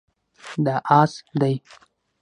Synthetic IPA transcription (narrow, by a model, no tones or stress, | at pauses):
d̪aʔasd̪aj